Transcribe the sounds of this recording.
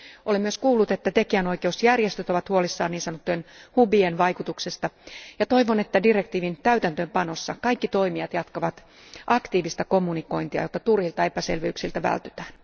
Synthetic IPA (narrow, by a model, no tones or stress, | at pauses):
ʔolemyøskuːlːut̪et̪ːæt̪ekiænoikeusjærjest̪øt̪o̞ʋɑt̪huolisːɑːniːnsɑnot̪ːuenhubienʋɑjkut̪uksest̪ɑjɑt̪o̞iʋone̞t̪ːædirekt̪iːʋint̪æyt̪ænt̪øːmpɑnosːɑ̰kɑikːit̪o̞imiɑt̪jɑt̪kɑʋɑt̪ | ʔɑkt̪iːʋist̪ɑkomːuniko̞int̪iɑ̰jot̪ːɑt̪urhilt̪ɑe̞pæsḛlʋeyksilt̪æʋæ̰lt̪y̥t̪æːn